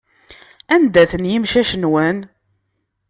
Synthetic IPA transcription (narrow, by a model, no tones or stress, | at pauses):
ænd̪æθənjəmʃæʃənwən